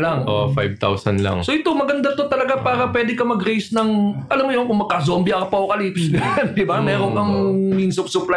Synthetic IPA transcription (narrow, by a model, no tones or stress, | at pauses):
lɐŋʔofajb̚t̪a̰wsɐ̰nla̰ŋsoʔɪt̪omɐɡɐnd̪at̪o̞t̪ɐlɐɡapaːɾɐpwɛːd̪ɪkɐmɐɡɾejsnɐŋʔɐlamːojonkʊŋmɐɡ̚kɐzoːmbɪʔɐkɐpɐʔokɐlid̪ɪbammɛɾonkɐŋminsʊp̚sʊpla